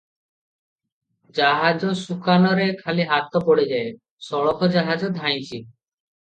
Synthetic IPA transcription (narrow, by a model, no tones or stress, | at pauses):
d͡ʒaɦad͡ʒɔsukanɔɾekʰaliɦat̪ɔpoɽed͡ʒae | sɔɭɔkʰɔd͡ʒaɦad͡ʒɔd̪ʱaj̃t͡ɕʰi